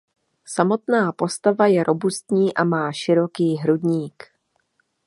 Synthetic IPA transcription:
samo̞t̪naːpo̞st̪avajɛɾʔo̞bust̪ɲiːʔamaːʃɪɾo̞kiːɦɾudɲiːk

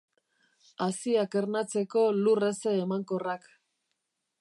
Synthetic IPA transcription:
asiake̞ɾnat͡se̞ko̞lure̞se̞ːmaŋko̞rak

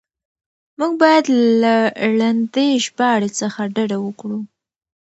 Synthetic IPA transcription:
muɡ̚bɑjad̪llaɭand̪eʒbɑɽet͡səxaɖaɖawəkɽu

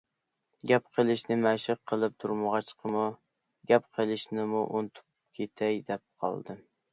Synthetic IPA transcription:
ɡʲɛp̚qʰəlˠɪʃnɪmæʃɨqʰːəlˠɪp̚t̪ʰuɾmɨʁɑt͡ʃqʰəmu | ɡʲɛp̚qʰəlˠɪʃnɪmuʔont̪ʰu̥p | kʲʰet̪ʰɛjd̪ɛp̚qʰɑ̰lˠd̪ɨ

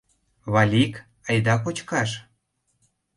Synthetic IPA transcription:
βɑlʲik | əjd̪ɑkot͡ɕkɑʃ

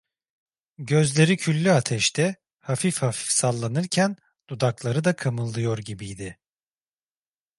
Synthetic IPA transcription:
ɟø̞zlʲe̞ɾicʰylʲːyat̪ʰɛʃt̪ʰɛ | hafifhafi̥fsalˠːanɯɾcʰæn | d̪̥ud̪aklˠaɾɯd̪akʰamɯlˠːɯjo̞ɾɟibijd̪ɪ

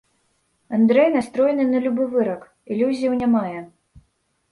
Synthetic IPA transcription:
and̪ɾɛjnast̪ɾɔjɛnɨnɐlʲubɨvɨɾɐk | ilʲuzʲijɐwnʲamajɛ

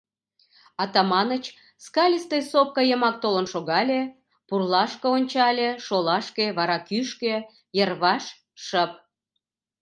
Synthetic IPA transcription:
ɑt̪ɑmɑnət͡ɕ | skɑlʲəst̪esop̚kɑjəmɑk̚t̪olə̆nʃoɣɑlʲe | purlɑʃkɤonʲt͡ɕɑlʲeʃolɑʃkeβɑɾɑkyʃke | jərβɑʃ | ʃəp̚

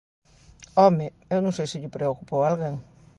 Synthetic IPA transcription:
ɔmɪ | ewnõŋ̃sejsɪʎɪpɾeokupowalɣeŋ

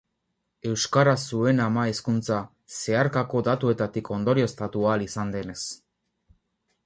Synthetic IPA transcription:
e̞wskaɾasue̞namaeskunt͡sa | se̞aɾkako̞d̪at̪ue̞t̪at̪iko̞nd̪o̞ɾio̞est̪at̪ualisand̪e̞ne̞s

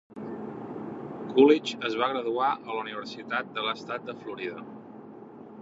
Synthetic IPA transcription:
kulit͡ʃəzβaɣ̞ɾəðuaʔəluniβ̞əɾsit̪at̪̚d̪ələst̪at̪̚d̪əfluɾiðə

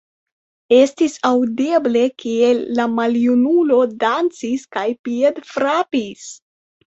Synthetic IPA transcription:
e̞stisawdeble̞kielːamaljunulo̞dant͡siskajpiedfɾapis

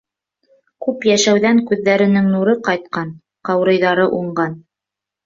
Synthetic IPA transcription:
kʉpjæʃæwðæŋkʉðːæɾɘ̆nɘŋnuɾɤqɑjt̪̚qɑn | qɑwɾɤ̆jðɑɾɤʔuɴɢɑn

